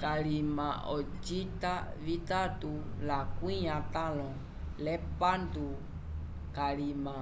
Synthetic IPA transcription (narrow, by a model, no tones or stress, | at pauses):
kalimãɔd͡ʒitavit̪atulakuĩɲãt̪alɔ̃ | lɛpandu | kalimã